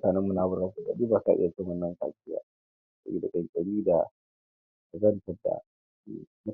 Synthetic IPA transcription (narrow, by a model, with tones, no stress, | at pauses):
taː˨nɛ˦mːʊ˦naː˨bʊ˦ɾa˦su˦˨kɐ˨ɗiː˦baː˨sa̰˦˨ʔɪ̰˦ja˨t͡ʃɪ˦ŋwɐ˦nːɐ˦ŋka̰ː˨sʼɪ˦ja̰ː˦ | kʼɐ̰˦ḭ˦da˨kʼɐ˨ŋkʼɐ˨ɽiː˦da˨ | ɐ˨zɐ˦ntɐ˨rda̰˨˦ | mʊ˦